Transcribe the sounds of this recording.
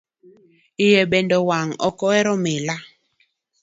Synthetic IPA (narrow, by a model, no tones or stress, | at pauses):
ijɛɓɛndɔwaŋɔ̰kɔɛɾɔmela